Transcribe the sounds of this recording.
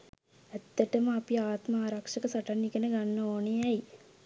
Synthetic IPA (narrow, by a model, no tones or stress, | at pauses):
ɛt̪ːəʈəməapiaːt̪maːɾakʂɐkəsaʈanːikənəɡanːəoːnejɛj